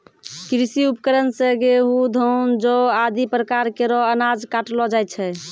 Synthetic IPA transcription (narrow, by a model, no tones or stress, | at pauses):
kɾisiupəkəɾənseɡeɦud̪ʱond͡ʒoad̪ipɾəkaɾkeɾɔənad͡ʒkaʈlɔd͡ʒaj̪̚t͡ʃʰɛ